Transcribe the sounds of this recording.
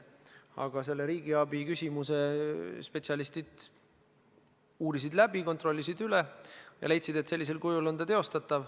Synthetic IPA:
ɑ̰ɡ̥ɑse̞lːe̞ɾiːɡ̥iɑbikysʲimuse̞spe̞t̪siɑlist̪id̪̥ | uːɾisid̪læbiko̞nt̪ro̞lːisid̪ylejɑ̰le̞jt̪sid̪̥e̞t̪selːis̬e̞lkujulo̞nd̪ɑt̪e̞o̞st̪ɑt̪ːˑɑv

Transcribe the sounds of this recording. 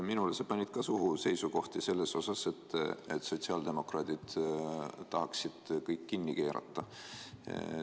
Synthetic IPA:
minulesepɑnʲid̪̥̚kɑsuɦuse̞jsuko̞ht̪ise̞lːe̞so̞sɑse̞t̪ːet̪so̞t̪ʲsiɑːld̪̥e̞mo̞krɑːt̪id̪̥ | t̪ɑɦɑksid̪̥kɤjkːinːike̞ːɾɑ̰t̪ːˑɑ

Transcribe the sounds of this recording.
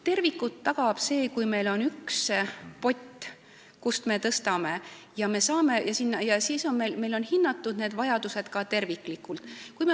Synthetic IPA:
t̪e̞rvikːut̪ːɑɡ̥ɑb̥se̞ːkujme̞jlo̞nykspo̞tʲːˑ | kust̪me̞t̪ɤst̪ɑme̞jɑme̞sɑːme̞jʔɑsinːɑjɑsiːso̞nme̞jlme̞jlo̞nhinːɑt̪ːud̪ne̞ːd̪vɑjɑd̪̥use̞d̪̥kɑt̪e̞rvikːˑlikːult̪ˑkujme

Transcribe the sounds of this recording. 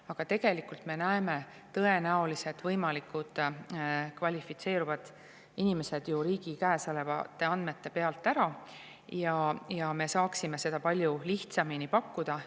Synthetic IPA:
ɑɡ̥ɑt̪e̞ɡ̥e̞likult̪me̞næeme̞ | t̪ɤe̞næolise̞t̪vɤjmɑlikud̪̥ | kvɑlʲifit̪se̞ːɾuvɑd̪̥ | inime̞se̞d̪̥juɾiːɡ̥ikæːsɤlevɑ̰t̪ːˑe̞ɑnd̪me̞t̪ːe̞pe̞ɑlt̪ːˑæɾɑ | jɑjɑme̞sɑːksime̞se̞d̪̥ɑpɑlʲjuliht̪sɑminipɑkːud̪̥ɑ

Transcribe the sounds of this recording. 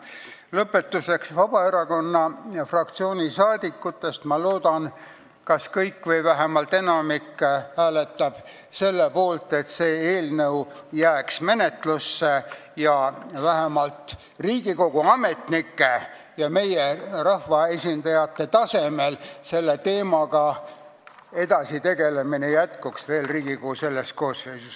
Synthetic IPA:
lɤpːe̞t̪ːˑuse̞ksvɑb̥ɑe̞ɾɑko̞nːɑfrɑkt̪sio̞ːnʲisɑːd̪̥ikːut̪ːˑe̞st̪mɑloːd̪̥ɑn | kɑskɤjkːvɤjvæɦemɑlt̪ːˑe̞nɑmikːhæːlet̪ːˑɑb̥ | se̞lːepo̞ːlt̪e̞t̪seːeːlnɤwjæːksme̞ne̞t̪lusːejɑvæɦemɑlt̪ | riːɡ̥iko̞ɡ̥uɑmet̪nikːe̞ | jɑme̞jerɑhvɑe̞sʲind̪̥ɑjɑt̪ːe̞t̪ɑsemelse̞lːet̪e̞ːmɑɡɑ | e̞d̪̥ɑsit̪e̞ɡ̥e̞le̞minejæt̪kuksve̞ːlriːɡ̥ikoɡuse̞lːest̪̚ko̞ːsejses

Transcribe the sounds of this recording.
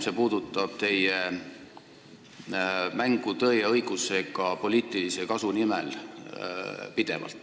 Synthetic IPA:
se̞puːd̪ut̪ːˑɑb̥t̪e̞je | mæŋɡ̥ut̪ɤjeɤjɡ̥use̞kɑpo̞liːt̪ːˑilise̞kɑsunimel | pid̪̥e̞̰vɑ̰lt̪ːˑ

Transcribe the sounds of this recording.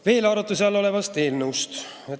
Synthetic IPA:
ve̞ːlɑɾut̪ːˑusɑlo̞le̞vɑst̪e̞ːlnəwst̪ | e

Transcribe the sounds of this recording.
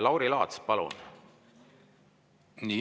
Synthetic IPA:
lɑwɾilɑ̰ːt̪spɑlṵn | niː

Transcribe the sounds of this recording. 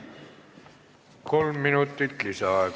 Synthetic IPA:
kolmːinut̪ːit̪lisæɑjk

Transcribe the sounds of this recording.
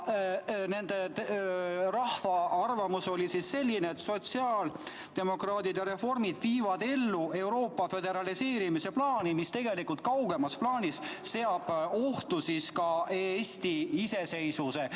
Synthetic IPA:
ne̞nd̪̥et̪ | rɑhfɑɑrvɑmuso̞lʲisisse̞lʲːineːt̪so̞t̪siɑːl | d̪e̞mo̞krɑːt̪id̪eɾe̞fo̞rmid̪̥viːvɑd̪e̞lːue̞wɾo̞ːpːɑfe̞d̪e̞ɾɑlise̞ːɾimise̞plɑːnimist̪e̞ɡe̞likult̪̚kɑwɡ̥e̞mɑsplɑːnʲisːe̞ɑb̥o̞ht̪usiskɑesʲt̪iise̞se̞jsuse̞

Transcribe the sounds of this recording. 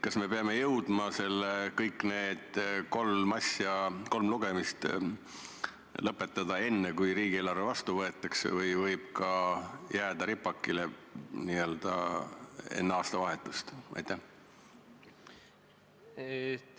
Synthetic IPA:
kɑsme̞pe̞ɑme̞jɤwd̪̥mɑse̞lːekɤjkːˑne̞ːd̪̥ko̞lmɑsjɑko̞lmluɡ̥e̞mist̪ | lɤpːˑe̞t̪ˑːɑd̪̥ɑe̞nːekujɾiːɡ̥ielːɑrvevɑst̪uvɤe̞t̪ˑːɑksḛvɤjvɤjb̥kɑjæːd̪̥ɑɾipːˑɑkːileniːø̞ld̪̥ɑ̰ | e̞̰nːeɑːst̪ɑvɑɦe̞t̪ːˑust̪ʔɑ̰jt̪ːˑæh

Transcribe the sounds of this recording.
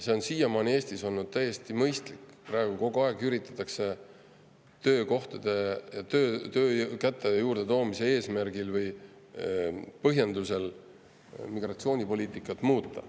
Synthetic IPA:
se̞o̞nsijɑmɑːne̞ːst̪iso̞lnud̪̥̚t̪æjːe̞st̪imɤjst̪likːprɑeɡ̥uko̞ɡ̥uɑeɡyɾit̪ːˑɑ̥t̪ˑːɑkse̞ | t̪ø̞ːko̞ht̪ɑd̪̥e̞jɑt̪øːt̪øːkæt̪ːˑejuːɾd̪̥e̞t̪o̞ːmise̞e̞ːsmærɡilvɤj | pɤɦjend̪use̞l | miɡ̥rɑt̪sio̞ːnʲipo̞lʲiːt̪ˑikːˑɑt̪ːˑmuːt̪ˑːɑ̰

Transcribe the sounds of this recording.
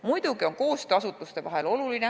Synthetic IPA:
mujd̪̥uɡio̞ŋko̞ːst̪ɑsut̪ːˑust̪e̞vɑɦe̞lo̞luline̞

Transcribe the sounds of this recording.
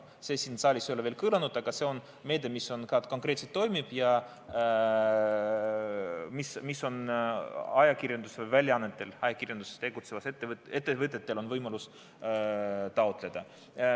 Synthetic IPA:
se̞ːsinsɑːlʲisjo̞leve̞ːlkɯːlɑnud̪ɑɡ̥ɑse̞o̞n | me̞ːd̪emiso̞nkɑːko̞ŋkˑre̞t̪set̪ːo̞jmib̥jɑ | mismisːo̞n | ɑjɑkirjɑnd̪̥usvɯjvælʲjɑɑnːet̪ːˑe̞lɑjɑkirjɑnd̪̥usest̪e̞ɡ̥ut̪se̞vɑset̪ːˑeet̪ːˑevɯt̪̬ˑːet̪ːe̞lo̞nvɤjmɑlus | t̪ɑo̞t̪ˑle̞d̪̥ɑ

